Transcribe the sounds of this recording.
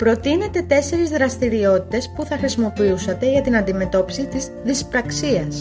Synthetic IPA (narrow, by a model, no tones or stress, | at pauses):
pɾo̞t̪ine̞t̪e̞t̪e̞se̞ɾezðɾɐst̪iɾio̞t̪i̥t̪e̞spuθɐxɾisimo̞piusɐt̪e̞ʝɐt̪inɐnd̪ime̞t̪o̞pi̥sit̪iz | ðispɾɐksiɐs